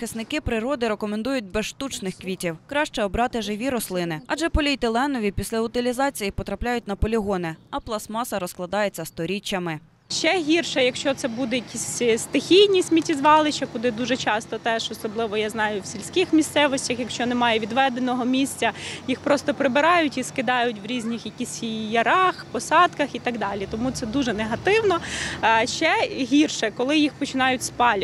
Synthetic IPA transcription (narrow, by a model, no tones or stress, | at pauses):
ɪsnɪkɪpɾɪɾɔd̪ɪɾekɔmend̪ujʊt̚ʲbɛsʃt̪ut͡ʃnɪxkʋʲitʲiwkɾɑʃt͡ʃɛɔbɾɑt̪ɪʒɪʋʲiɾɔslˠɪnɪɐʒɛpɔlʲijt̪ɪlˠɛnɔʋʲipʲisʲlʲɐʊt̪ɪlʲizɑt͡sʲijipɔt̪ɾɐplʲajʊt̚ʲnɐpɔlʲiɦɔnɪɐplˠɐsmɑsɐɾɔsklˠɐd̪ɑjet͡sʲːɐst̪ɔɾʲit͡ʃːɐmɪ | ʃt͡ʃɛɦʲirʃɛjɐkʃt͡ʃɔt̪sɛbud̪ɛjɐkʲisʲst̪ɪxʲijnʲisʲmʲitʲizʋɑlˠɪt͡ʃɐkʊd̪ɪd̪uʒɛt͡ʃɑst̪ɔt̪ɛʃɔsɔblˠɪʋɔjaznɑjʊwsʲilʲsʲkɪxmʲist̪sɛʋɔsʲtʲɐxjɐkʃt͡ʃɔnɛmɑjɛʋʲid̪ʋɛd̪enɔɦɔmʲisʲt͡sʲɐjixpɾɔst̪ɔpɾɪbɪɾɑjʊtʲiskɪd̪ɑjʊtʲʋɾʲizʲnʲixjɐkʲisʲijɐɾɑxpɔsɑd̪kɐxit̪ɐɡd̪ɑlʲit̪ɔmut̪sɛd̪uʒɛneɦɐt̪ɪwnɔ | ʃt͡ʃɛɦʲirʃɛkɔlˠɪjixpɔt͡ʃɪnɑjʊtʲspɑlʲ